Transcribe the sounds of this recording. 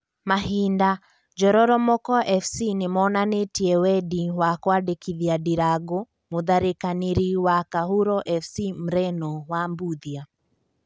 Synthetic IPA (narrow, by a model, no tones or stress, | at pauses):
maɦinda | d͡ʒɔɾɔɾɔmɔkɔʔɛfsinemɔnanetiɛwɛdiwakwadekiðiadiɾaɡo | moðaɾekaneɾiwakahuɾɔʔɛfsim̩ɾɛnɔwambuðia